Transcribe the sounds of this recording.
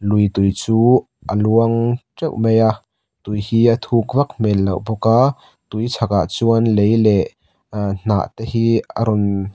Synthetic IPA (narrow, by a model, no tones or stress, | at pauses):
lujt̪ujt͡suː | ʔəluəŋʈ͡ʂɛwʔmɛjaʔ | t̪ujhiːʔət̪ʰuk̚vɐk̚mɛlːɐwbɔka | t̪ujt͡sʰaka̰ʔt͡suənlejlɛʔ | n̥a̰ːʔt̪ɛhiːə̰ɾɔn